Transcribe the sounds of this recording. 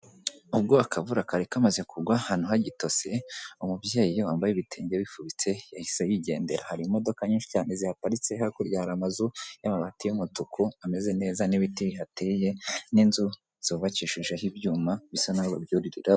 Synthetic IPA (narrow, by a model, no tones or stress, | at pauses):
ubɡoakʰavuɾakaɾekamazekuɡwahaːn̥uɦaɟito̞se̞umubje̞ːjowaːmbajiβitʰeːɲɟeβifuβit͡se̞jahisejiɟe̞ːnde̞ɾahaɾimo̞do̞kaɲiːnʃi̥caːne̞zihapaɾit͡sehakuɾjahaɾamazujamaɾahatejumutukʰuame̞ze̞ne̞ːzaniβitiβiɦateje̞ninzu | z̥oβat͡ʃiʃiʒeɦibjuːmaβisonaɡobjuːɾiɾiɾa